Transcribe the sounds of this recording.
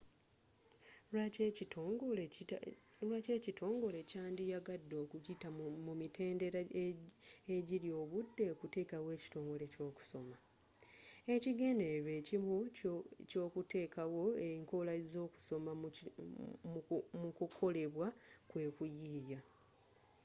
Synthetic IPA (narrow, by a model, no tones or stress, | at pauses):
a | lwace̞citʰo̞ːŋɡo̞le̞caːndijaɡadːo̞ːkuɟitamumite̞ːnde̞ɾa | eɟilijo̞ːβudːe̞kute̞ːkawe̞ːci̥to̞ːŋɡo̞le̞co̞ːku̥so̞ma | e̞ciɡe̞ːndeɾe̞ːcimuco̞ːkute̞ːkawo̞eiŋkolazo̞ːku̥so̞ma | mmukukʰo̞le̞βwakwe̞ːkujiːja